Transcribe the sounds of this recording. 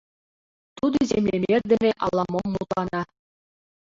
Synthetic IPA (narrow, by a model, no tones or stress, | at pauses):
t̪ud̪̆ɤ̆zemlʲemʲerʲdʲɘ̆nʲɘʔɑ̰lˠːɑmomːut̪ɑnɑ